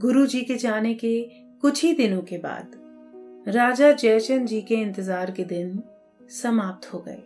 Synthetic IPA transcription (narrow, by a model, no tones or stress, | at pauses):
ɡʊɾud͡ʒiːked͡ʒaːneke | kʊt͡ʃʰid̪ɪnõkeba̰ːd̪ | ɾaːd͡ʒad͡ʒɛːt͡ʃənd͡ʒiːkeɪ̃nt̪ɪzaːɾked̪ɪn | sɐmaːp̚t̪hoɡɐ̰ḛː